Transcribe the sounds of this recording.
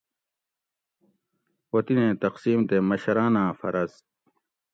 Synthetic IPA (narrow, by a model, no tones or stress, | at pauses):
wɐt̪inẽːt̪ɐqsiːmt̪emɐɕɐɾaːnãːfɐ̰ɾɐz